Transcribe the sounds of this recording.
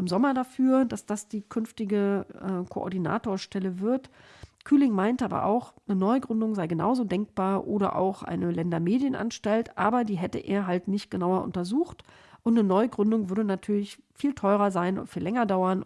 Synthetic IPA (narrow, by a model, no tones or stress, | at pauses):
ʔɪmzɔmɐdafyːɐd̥asd̥asd̥iːkʰʏnftɪɡəʔɛːkʰo̰ʔɔ̰ɐdina̰ːtoːɐʃtɛləvɪɐtkʰyːlɪŋmaɪntʔaːbɐ̰ʔa̰ʊxnənɔʏɡʁʏndʊŋzaɪɡəna̰ʊzoːdɛŋk̚b̥aːɐʔoːɾɐ̰ʔa̰ʊxʔa̰ɪnəlɛndɐmeːdjənʔa̰nʃtaltʔa̰ːbɐdiːɦɛtə̰ʔḛːɐɦaltnɪçt̚ɡ̥ənaʊɐʔʊ̰ntɐzuːxt | ʔʊntnənɔʏɡʁʏndʊŋvʏɐdənatʰyːɐlɪçfiːltʰɔʏʁɐzaɪnʊ̰ntfiːlːɛŋɐdaʊɐn